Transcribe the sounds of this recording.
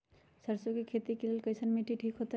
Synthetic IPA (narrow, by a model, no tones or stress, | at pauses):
səɾsokekʰet̪ikelelkəɪsənmiʈʰiʈʰikɦot̪a